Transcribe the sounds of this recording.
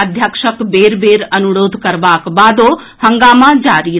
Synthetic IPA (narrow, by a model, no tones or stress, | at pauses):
ɐd̪ʱjəkʃəkbeːɾbeːɾɐnuɽoːd̪ʱkɐɾʋaːkbaːd̪oː | hɐ̃ŋɡaːmad͡ʒaːɾiː